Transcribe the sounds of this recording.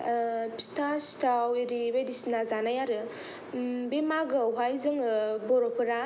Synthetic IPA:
pi̥stʰasi̥tʰawiɾiβedisinazanajaɾɯ | bemaɡaɦajzɯŋɯbɔɾopʰɯɾa

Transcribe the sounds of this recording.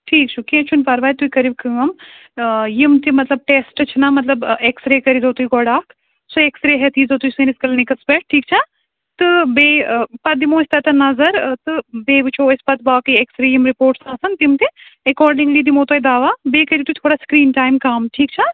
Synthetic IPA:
ʈʰiːk̚t͡ʃʰukẽːt͡ʃʰunpɐɾʋaːjt̪ujkɐɾibkɨːɐm | jimt̪imɐt̪lɐb̚ʈeːsʈɨt͡ʃʰinamɐt̪lɐbeksɾeːkɐɾizoːt̪ujɡɔɽaːkʰ | soeːksɾeɦɛt̪ʰiːzot̪ujsɨniskɐlnikɐspeʈ̚ʈʰiːk̚t͡ʃʰa | t̪ɨbeːpɐt̪̚d̪imoːsʲt̪ɐt̪ɐnɐzɐɾt̪ɨbeːʋɨt͡ʃʰospɐt̪̚baːkɨjeksɾeːjimɾipoːɾʈsãːsɐnt̪imt̪iekɔːɾɖiŋɡliːd̪imoːt̪oːjd̪aːʋabeːkɐɾit̪uit̪ʰoːɽaːskɾiːnʈaːjmkaːmʈʰiːkt͡ʃʰa

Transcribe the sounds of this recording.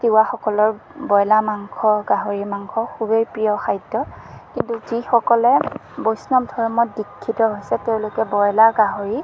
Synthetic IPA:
tiwaxɔkɔlɔɹbɔjlamaŋkʰɔɡaɦoɹimaŋkʰɔxubejpɹijɔxajdɔkintuzixɔkɔlɛbojsnɔmdʱɔɹɔmɔt̚dikʰːitɔɦojsɛteʊ̃lʊkɛbɔjlaɡaɦoɹi

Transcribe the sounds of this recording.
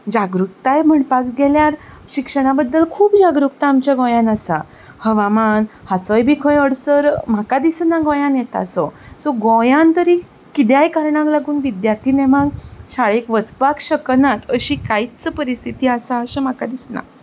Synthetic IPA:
d͡ʑaɡɾuk̚t̪ajm̤əɳpakɡeljaɾ | ɕikʂəɽ̃abəd̪ːəlkʰuːbd͡ʑaɡɾuk̚t̪aːmt͡ɕjaɡɔ̃jãnasa̰ | həʋamanhat͡sɔjbʱikʰə̃jəɽsəɾm̤akad̪isnaɡɔ̃jãnjet̪a̰sɔsɔɡɔ̃jãnt̪əɾiː | kid̪jajkaɾɳãŋklaɡuːnʋid̪jaɾt̪ʰiːnemaɡɕaɭekʋət͡spakɕəknat̪əɕiːkait͡səpəɾist̪ʰit̪iːasaəɕem̤akad̪isna̰

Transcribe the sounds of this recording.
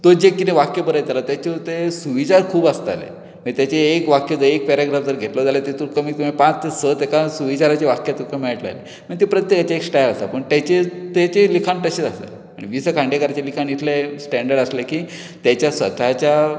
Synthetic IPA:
t̪od͡ʑekːit̪ẽʋakjəpəɾəjt̪alat̪jat͡ɕet̪esuʋit͡ɕaɾkʰuːbast̪a̰lḛ | mit̪jat͡ɕeːkʋakjed͡zəeek̚pɛɾaɡɾafd̪əɾɡʱeʈləd͡zalet̪et̪uɾkəmiːt̪umipãt͡ssət̪ekasuʋit͡ɕaɾat͡ɕeʋakjat̪uɾkəmiɭəʈləa̰le | məɳit̪epɾət̪jekat͡ɕeeksʈajlasapəɳt̪jat͡ɕet̪et͡ɕelikʰaɳʈ̪əɕetast̪a̰l | aɽ̃iʋisəkʰãɳɖekaɾat͡ɕelikʰanit̪ʰlesʈɛɳɖəɾɽəslekiː | t̪jat͡ɕjasʋə̰t̪at͡ɕja

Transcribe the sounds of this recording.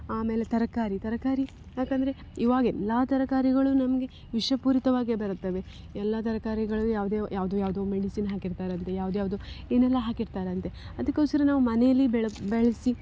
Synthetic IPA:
aːme̞ːlet̪ɐɾɐkaːɾit̪ɐɾɐkaːɾi | jaːkɐnd̪ɐɾe̞ | iʋaːɡɛlːaːt̪ɐɾɐkaːɾiɡɐɭunɐmɐɡe̞ | ʋiʂɐpuːɾit̪ɐʋaːɡebɐɾut̪ːɐʋe̞ | ɛlːɐt̪ɐɾɐkaːɾiɡɐɭujaːʋd̪eːjaːʋd̪uːjaːʋd̪oːmeɽisiːnɦaːkiɾt̪aːɾeɐnt̪ejaːʋd̪uːjaːʋd̪uːeːnɛlːɐɦaːkiɾt̪aːɾeɐnt̪e̞ | ɐd̪ɐkːoːsɐɾenaːʋumɐnejɐlːibeɭbeɭɐsi

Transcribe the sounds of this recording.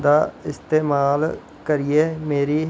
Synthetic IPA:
d̪aːɪst̪eːmaːl | kəɾieːmeːɾiː

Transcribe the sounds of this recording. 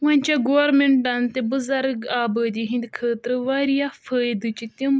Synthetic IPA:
ʋãnʲt͡ʃaɡoːɾmeɳʈant̪ebəzɐɾɡaːbəːd̪iɦĩnd̪kʰəːt̪ɾɨʋaːɾijafəːjd̪ɨt͡ʃit̪im

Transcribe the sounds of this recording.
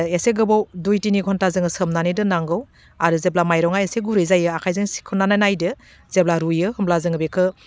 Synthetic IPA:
eseɡɯbawdujtinikʰɔntazɯŋɯsɯmnanidɯnaŋɡɯw | aɾɯzeblamajɾɔŋajeseɡuɾɯjzajɯakʰajzɯŋsi̥kʰɯnanajnajdɯ | zeblaɾujɯhɯmlazɯŋɯbekʰɯ

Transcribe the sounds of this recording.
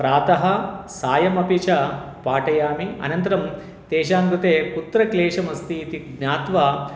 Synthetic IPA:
pɾaːt̪ɐɦɐsaːjɐmɐpit͡ʃɐ | paːʈɐjaːmiɐ̰nɐnt̪ɐɾɐm | t̪ɛːʃaːŋɡ̪ut̪eːkut̪ɾɐkleːʂɐmɐst̪it̪iɡɲaːt̪ʋɐ

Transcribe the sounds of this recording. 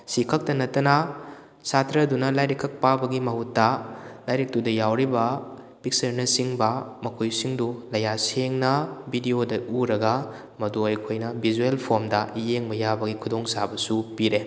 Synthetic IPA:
sikʰɐk̚tɐnɐtːɐnɐ | satʰɾɐdunɐlajɾikʰːɐk̚pabɐɡimɐɦutːɐlajɾik̚tudɐjawɾibɐ | pik̚sɐɾnɐsiŋbɐmɐkʰojsiŋdulɐjaseŋnɐbʱidiodɐuɾɐɡɐ | mɐduɐjkʰojnɐbʱizuelpʰoɾmdɐijeŋmɐjabɐɡikʰudoŋsabɐsupiɾe

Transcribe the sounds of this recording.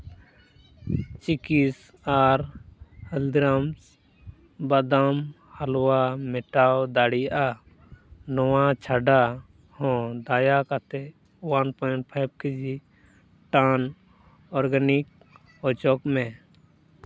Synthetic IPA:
t͡ʃikis | aɾhəld̪ɾams | bad̪am | həlwamɛʈawd̪aɽiʔa | nɔwat͡ʃʰaɖa | hɔ̃d̪ajakat̪e | wanpɔːɳʈ̚pʰajb̚kid͡ʒi | ʈan | ɔɾɡanik̚ | ɔt͡ʃɔkme

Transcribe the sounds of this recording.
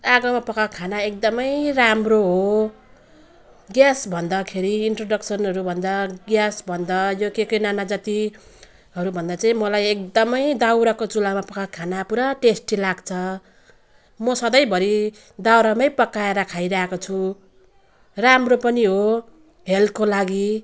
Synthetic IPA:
aɡʌmapʌkakʰanaek̚d̪ʌmʌjramroɦo | ɡjasbʱʌnd̪ʌkʰeɾiinʈroɖʌksʌnɦʌɾubʱʌnd̪aɡjasbʱʌnd̪ʌjokekʌjnanad͡zat̪i | ɦʌɾubʱʌnd̪at͡saĩmʌlajek̚d̪ʌmʌjd̪awɾakot͡sulamapʌkakʰanapuɾaʈesʈilaɡt͡sʰʌ | mʌsʌd̪ʌjbʱʌɾi | d̪awɾamʌjpʌkaeɾʌkʰajɾaɦekot͡sʰu | ramropʌniɦo | ɦelkolaɡi

